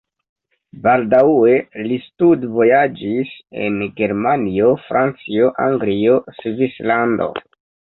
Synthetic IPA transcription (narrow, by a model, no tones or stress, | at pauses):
baldawe̞listudvo̞jad͡ʒise̞̰nɡe̞ɾmanio̞fɾʔant͡sioʔaŋɡlio̞svislando̞̰